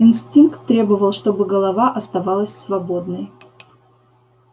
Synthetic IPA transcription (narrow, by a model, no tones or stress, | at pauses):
ɪnsʲtʲinkt̪ːɾʲe̞bəvəlˠʂt̪o̞bɨɡəlˠɐvaʔɐst̪ɐvɑlˠəsʲsvɐbo̞d̪nəj